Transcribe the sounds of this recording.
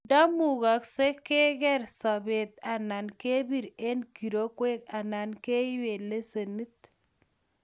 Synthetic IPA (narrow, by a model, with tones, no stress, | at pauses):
da˦mu˨ɡa˨kse˦ke˦kɛ˦ɾsɔ˨be˨t̪a˨na˨nke˦bi˨ɾe˦nki˨ɾo˦kwe˦ka˨na˨nke˦i˦we˨le˦se˨ni˦t̪̚